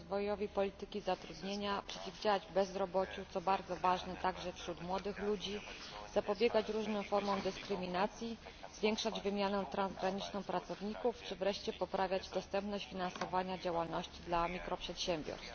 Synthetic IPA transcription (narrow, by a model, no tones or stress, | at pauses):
zvɔjɔvʲipɔlʲit̪ɘkʲizat̪ɾud̪ɲeɲapʂɛt͡ɕivd͡ʑawad͡ʑbɛzɾɔbɔt͡ɕut̪sɔbaɾd̪zɔvaʐnɛt̪aɡʐɛfɕɾut̪mwɔd̪ɘxlud͡ʑiz̥apɔbʲjɛɡat͡ɕɾuʐnɛw̃fɔɾmɔ̃w̃d̪ɘskɾɘmʲinat̪sʲji | z̥vʲjɛŋkʂad͡ʑvɘmʲjanɛt̪ɾanzɡɾaɲit͡ʂnɔ̃w̃pɾat̪sɔvɲikuft͡ʂɘvɾɛʂt͡ɕɛpɔpɾavʲjad͡ʑd̪ɔst̪ɛmpnɔɕt͡ɕfʲinansɔvaɲad͡ʑawalnɔɕt͡ɕid̪lamʲikɾɔpʂɛt̪ɕɛmbʲjɔ̰ɾst̪